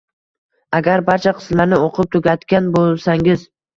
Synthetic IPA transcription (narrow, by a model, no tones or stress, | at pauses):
aɡʲaɾbaɾt͡ʃʰaqʰɨ̥smlaɾnɪoqʰɨp̚t̪ʰʊɡʲat̪kʲanbolˠsaŋɪz